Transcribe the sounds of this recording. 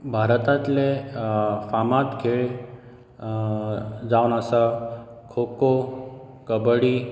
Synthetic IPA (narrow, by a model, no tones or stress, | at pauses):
bʱaɾət̪at̪le | famat̪ɡʰʱeɭ | d͡zawnasa | kʰokokəbəɽi